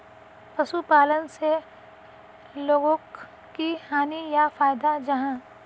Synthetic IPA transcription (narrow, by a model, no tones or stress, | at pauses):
pɐsupaːlənse | loːɡõk | kihaːnijafaːjd̪ad͡ʒɐɦãː